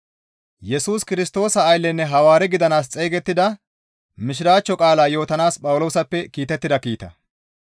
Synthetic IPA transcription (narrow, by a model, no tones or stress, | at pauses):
jɛsuːskɪɾɪst̪o̞ːsɐːjlːɛnːɛɦɐwaːɾɛɡɪd̪ɐnaːs̬t͡sʼeːɡɛt̪ːɪd̪ɐ | mɪʃ̬ɪɾaːt͡ʃːɔkʼaːlaːjo̞ːt̪ɐnaːspʼɐwʊlo̞ːsɐpːɛkiːt̪ːɛt̪ːɪd̪ɐkiːt̪ɐ̰